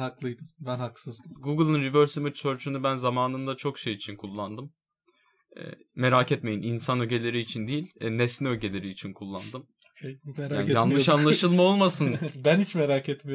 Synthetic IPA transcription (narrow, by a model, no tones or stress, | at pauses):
haklˠɯjd̪ɯmbænhaksɯzd̪ɯɡuɡɯlˠɯnɾivøɾsimɯt͡ʃsøɾt͡ʃʰynybænzamaːnɯnd̪at͡ʃʰo̞kʃejit͡ʃʰinkʰulˠːand̪ɯm | ɛ̰me̞ɾaːcɛt̪me̞jininsanøɟe̞lʲe̞ɾiːt͡ʃʰind̪ijilʲɛnesʲiøɟe̞lʲe̞ɾiːt͡ʃʰinkʰulˠːand̪ɯm | anjanlˠɯʃanlˠaʃɯlˠmao̞lˠmasɯnbænhit͡ʃmeɾacet̪me